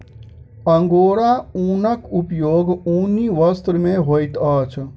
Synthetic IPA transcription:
əŋɡoːɾauːnəkupjoːɡuːniʋɐst̪ɾmẽɦoːit̪aːt͡ʃʰ

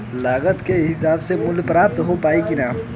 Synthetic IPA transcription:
laːɡət̪keɦɪsaːbsemʊlpɾaːp̚t̪ɦopaːikɪnaː

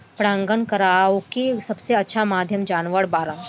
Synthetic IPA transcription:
pɾaə̃ŋɡənkɐɾaokisɐbseɐtːʃʰamaːd̪ʱjəmd͡ʒaːnʋəɽbaːɾa

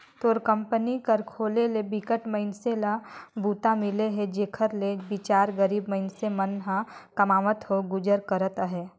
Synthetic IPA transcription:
t̪oːɾkə̃mpənikəɾkʰoːlelebɪkəʈməɪnselabuːt̪amɪleɦɛd͡ʒeːkʰəɾlebɪt͡ʃaːɾɡəɾiːbməɦɪnsemənɦãkɐmaːʋət̪ɦoɡʊd͡ʒəɾkəɾət̪ɦɛː

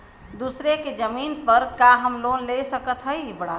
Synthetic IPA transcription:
d̪usɾeked͡ʒəminpəɾkaɦəmlonlesəkət̪ʰɦəjbəɽa

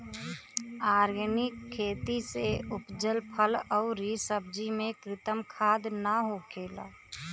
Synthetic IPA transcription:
aːɾɡnɪkʰːeːt̪iseʊpd͡ʒəlpʰəlɔʊɾisəb̚d͡ʒimẽkɾɪt̪əmkʰaːd̪naɦokʰeːla̰ː

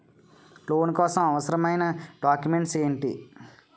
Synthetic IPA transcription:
loːnkɔːsɐmɐʋɐsɐɾɐmɐjnɐɖaːkjume̞ɳʈseːɳʈḭ

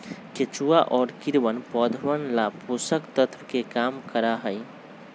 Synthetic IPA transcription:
ket͡ʃuːaʔɔːɾkɪɾʋənpɔːd̪ʱwənlaposəkt̪ət̪ʰwkekaːmkəɾaɦəj

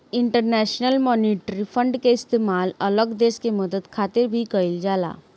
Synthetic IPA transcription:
ɪ̃ɳʈəɾnɛːʃnəlmɔːniːʈɾipʰə̃ɳɖkeɪst̪eːmaːlɐləɡd̪eːʃkeməd̪əd̪kʰaːt̪ɪɾbʱikɐɪld͡ʒaːla̰ː

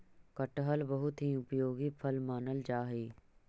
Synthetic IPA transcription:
kəʈɦəlbɐɦʊt̪ɦĩʊpjoːɡipʰəlmaːnəld͡ʒaːɦeː

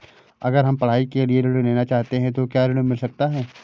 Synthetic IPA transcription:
ɐɡəɾɦɐmpɐɽ̤aːikelieɾɪɽ̃uneːnat͡ʃaːɦt̪eɦɛ̃t̪̬okjaːɾɪɽumɪlsɐk̚t̪aɦɛː

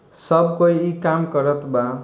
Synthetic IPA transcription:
sʌbkojikamkʌɾʌt̪ba

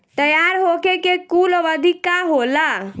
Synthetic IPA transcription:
t̪əjaɾɦokekekulɔʋəd̪ʱikaɦola

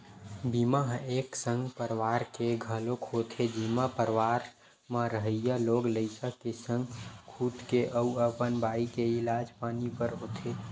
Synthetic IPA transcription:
bimaɦeːksə̃ŋɡpəɾʋaːɾkeɡʱəlokʰɦoːt̪ʰed͡ʒimapəɾʋaːɾ | mãɾəɦəjaloːɡləɪsəkesə̃ŋɡkʰuːt̪keʔəuəpənbaːikeɪlaːd͡ʒpaːnipəɾɦoːt̪ʰe

